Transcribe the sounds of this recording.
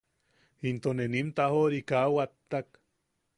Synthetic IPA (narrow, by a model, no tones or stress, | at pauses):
int̪onenimt̪aɦoɾikawat̪ːak